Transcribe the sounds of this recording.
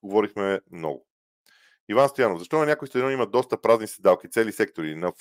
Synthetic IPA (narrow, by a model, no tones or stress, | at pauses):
ɡovɔɾixmɛmnɔ̰ɡʊ | ivanst̪ojanofzɐʃt̪ɔnɐnʲakoist̪ɾɔnimɐd̪ɔst̪əpɾaznisɛd̪alˠkit̪sɛlisɛk̚t̪oɾinɐf